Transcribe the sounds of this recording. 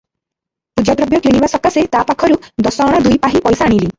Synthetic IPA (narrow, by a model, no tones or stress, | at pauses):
pud͡ʒad̪ɾɔbjɔkiɽ̃ibasɔkaset̪apakʰɔɾud̪ɔsɔɽ̃ɔd̪ujpaɦipɔjsaaːɽ̃ili